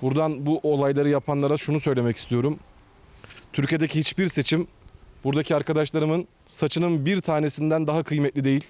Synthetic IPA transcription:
buɾd̪anbuʔo̞lˠajlˠaɾɯjapʰanlˠaɾaʃunusø̞jlʲe̞mɛci̥st̪ʰijo̞ɾum | t̪ʰyɾcijd̪ecihit͡ʃbiɾse̞t͡ʃʰim | b̥uɾd̪acʰiaɾkʰad̪aʃlˠaɾɯmɯn | sat͡ʃʰɯnɯnbiɾt̪ʰaːne̞sind̪ænd̪aɦakʰɯjmɛt̪lʲid̪e̞jilʲ

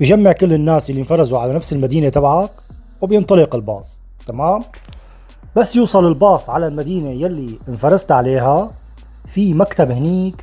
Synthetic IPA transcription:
bɪʒamːɪʕkɪlːɪnːaːsjalːinfɑɾˤzuʕalanafsɪlmad̪iːnat̪abʕak | wɪbjɪnt̪ˤɑlɪqɪlbɑ̰ːsˤ | t̪amaːm | basːjuːsˤɑlɪlbɑːsˤʕalalmad̪iːnejalːiɪnfɑɾˤɑzt̪ʕaleːɦa | fimakt̪abhɪniːk

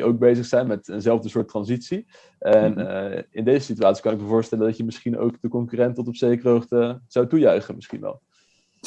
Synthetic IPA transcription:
ʔowɡ̚bejzəχsɛjnmɛtənzɛlˠvdəsʊːɹtːrɑnzitsi | ʔɛnɪndejzəsityaːtsi̥kɑnɪk̚məvʊːɹstɛləndɑtjəmɪsχino̰wkdəkɔŋkyrɛntɔtɔpsejkrowχtəz̥ɑwtujœɥχənmɪsχḭnʋɛ̰lˠ

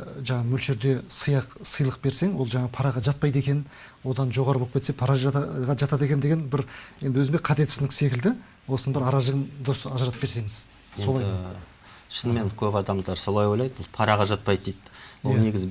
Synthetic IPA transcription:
ʒɑɴɑmʏlʃɪɾd̪e̞səjɑqsəjlˠəq̚be̞ɾse̞ŋwo̞lˠʒɑɴɑəpʰɑɾɑʁɑʒɑt̪̚pɑjd̪e̞kʲenɪn | wo̞d̪ɑnʒo̞ʁɑɾəb̪ˠpkʲʰee̞pʰɑɾɑʒʁɑʒɑt̪ɑt̪e̞kʲe̞nd̪eɡʲe̞nbɪɾje̞nd̪ɪwɵzɪmeqʰɑt̪e̞t̪ɪ̥snɪkʲɪ̥se̞kʲɪld̪ɪ | wo̞sənəbɪɾɑɾɑʒəʁənd̪ʊɾsɑʒəɾɑt̪əp̚beɾse̞ŋɪz | so̞lˠɑj | ʃənmenkʲʰɵpɑd̪ɑmd̪ɑɾso̞lˠɑjwo̞jlˠɑjd̪wolˠpʰɑɾɑʁɑʒɑt̪̚pɑjd̪̚d̪ejt̪wone̞ɡʲɪz

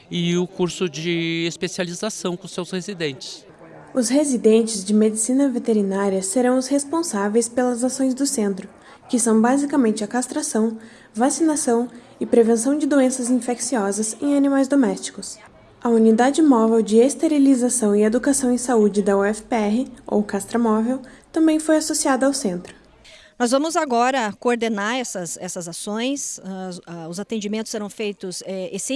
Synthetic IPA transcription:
ɪʊkuɾsʊd͡ʒɪespesializasɐ̃w̃kõsewshezid̪ẽnt͡ʃɪ̥s | ʊshezid̪ẽnt͡ʃɪzd͡ʒɪmed͡ʒisĩnɐvet̪eɾinaɾiɐseɾɐ̃w̃ʊshespõsavejspelɐzasõj̃zd̪ʊsẽnt̪ɾʊ | kɪsɐ̃w̃bazikɐmẽnt͡ʃɪakast̪ɾasɐ̃w̃ | vasinasɐ̃w̃ | ɪpɾevẽsɐ̃w̃d͡ʒɪd̪oẽnsɐzĩfeksiɔzɐzẽj̃animajzd̪omɛst͡ʃi̥kʊs | ɐunid̪ad͡ʒɪmɔvewd͡ʒɪest̪eɾilizasɐ̃w̃ɪed̪ukasɐ̃w̃ẽj̃saud͡ʒɪd̪ɐuɛfɪpeɛɦɪo̰wkast̪ɾɐmɔvewt̪ɐ̃mbẽj̃fojasosiad̪ɐawsẽnt̪ɾʊ | nɔzvɐ̃mʊzaɡɔɾɐkoːɾd̪enaɾɛsɐsɛsɐzasõj̃saʊzat̪ẽnd͡ʒimẽnt̪ʊ̥seɛɾɐ̃w̃fejt̪ʊzɛesi

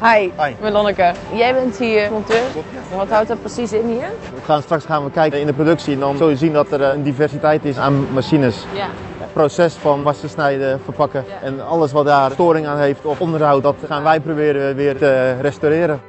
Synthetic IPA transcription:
hajjməlɔnəkəjɛjbɛnthiəmɔntøː | ʋɔtɦawtətprəsisɪnhiːr | əxaːnstraksxaːnʋəkɛjkɪndəprodɵksiɛndɔnzɵlˠjəzindɔtərəndifɛrsitɛjtɪsaːnmasinəs | prosɛsfɔnʋastəsnɛjdəfərpɑkəɛnɔləs̬ʋɔt̚daːrstoːɾɪŋaːnɦeːftɔfɔndərhawtʋɔtxaːnʋɛjprowbɪːɾəəʋɪːərtərɛstoɾɪːɾə

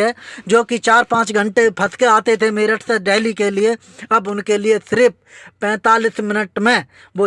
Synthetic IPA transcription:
ɦɛːd͡ʒoːkit͡ʃaːɾpãːt͡ʃɡʱə̃ɳʈepʰɐskeaːt̪et̪ʰemeːɾəʈʰseɖeːlikelɪe | ɐbʊnkelɪesɪɾɪp̚ʰ | pɛ̃ːt̪aːlismɪnəʈmẽ | ʋo

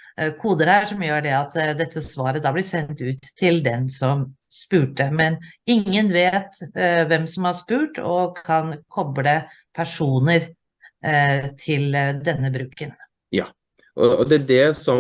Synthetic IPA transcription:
kʰuːd̪əɾhæːʂɔmjøːɖɛɑt̪d̪ɛt̪ʰːəsʋɑːɾəd̪ɑːblɪsɛnt̪ʉːt̪ʰːɪld̪ɛnsɔmspʉːʈəmɛnɪŋːənʋeːt̪ʋɛmsɔmhɑʂpʉːʈɔ̰kʰɑnkʰɔbləpʰæʂuːnəɾ | t̪ʰɪld̪ɛnːəbɾʉːkən | jɑː | ʔɔɔd̪ɛædɛsɔ

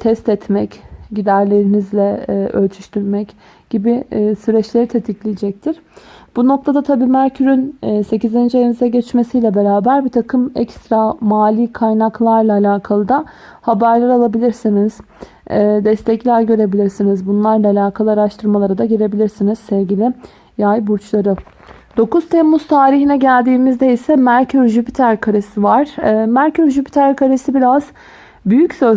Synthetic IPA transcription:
t̪ʰɛst̪ɛt̪mɛcɟid̪æɾlʲe̞ɾinizlʲɛʔølʲt͡ʃ̪ʰyʃt̪ʰyɾmɛc | ɟ̥ibisyɾɛt͡ʃlʲe̞ɾit̪ʰe̞t̪ʰiclʲijd͡ʒɛc̚t̪ʰiɾ̥b̥uno̞k̚t̪ʰad̪at̪ʰabiːmæɾcʰyɾynːse̞cizind͡ʒeemizɛɟɛt͡ʃmesijlʲɛbe̞ɾaːbæɾbit̪ʰakʰɯmɛcst̪ɾamaːlʲikʰajnaklˠaɾlˠaːlʲaːkʰalˠɯd̪a | habæɾlˠaɾalˠabilʲiɾsiniz̥ː | d̪ɛst̪ʰɛclʲæɾɟø̞ɾe̞bilʲiɾsinizbunlˠaɾlˠaːlʲaːkʰalˠɯaɾaʃt̪ʰɯɾmalˠaɾad̪aɟiɾe̞bilʲiɾsiniz̥sɛvɟilʲɪ | jajbuɾt͡ʃlˠaɾɯ | d̪̥o̞kuz̥t̪ʰɛmːuz̥t̪ʰaːɾiɦinɛɟælʲd̪iːmizd̪ejisɛmæɾcʰøɾʒypit̪ʰæɾkʰaɾesivaɾ̥mæɾcʰøʒypʰi̥t̪ʰæɾkʰaɾesibiɾaz̥ | byjycsø

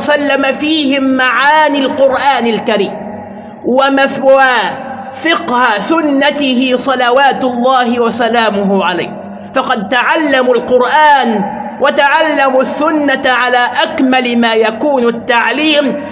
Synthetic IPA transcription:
salːamafiːhɪmːaʕaːnilqʊɾʔaːnalkaɾiːm | wawa | fɪqhasʊnːat̪ɪhɪsˤɑlawaːt̪ʊlˤːɑːhɪwɑsalaːmʊɦʕala̰jːh | fɑqɑd̪̚t̪aʕalːamʊlqʊɾʔaːnwat̪aʕalːamusːʊnːaʕalaːʔakmalmaːjakuːnt̪ːaʕliːm

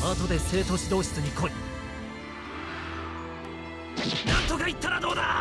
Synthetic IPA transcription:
aːt̪o̞d̪e̞se̞ːt̪o̞ɕid̪o̞ːɕi̥t͡sɨɲ̟ikʰo̞ɾʲi | nant̪ːoɡait̪ːaɾad̪o̞ːd̪a

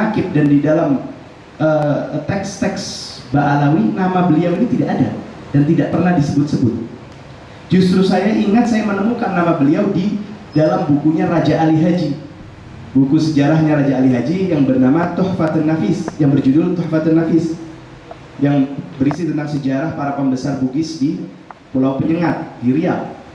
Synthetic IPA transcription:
akɪp̚dandidalam | ʔət̪ɛkst̪ɛks | baʔalawinamabəliawinit̪idaʔada̰ | dant̪idaʔpərnahdisəbʊt̪̚səbʊt̪̚ | d͡ʒust̪ɾusajaʔiŋat̪̚sajamənəmukanːamabəliawdi | dalambukuɲaɾad͡ʒaʔaliɦad͡ʒi | bukusəd͡ʒaɾahɲaɾad͡ʒaːliɦad͡ʒijaŋbərnamat̪ɔhfat̪ənafɪsjaŋbərd͡ʒudʊlt̪ɔhfat̪ɪnːafɪs | jaŋbəɾisit̪ənt̪aŋsəd͡ʒaɾahpaɾapəmbəsarbuɡɪsdi | polawpəɲəŋat̪̚diɾia̰l

